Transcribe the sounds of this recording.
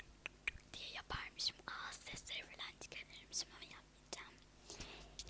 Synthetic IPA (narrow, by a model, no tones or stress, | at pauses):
d̪̥ijɛjapʰaɾmɯʃimaːsːɛsɛvilʲænd̪ʰi̥kʰalʲeɾimizimajapmid͡ʒæm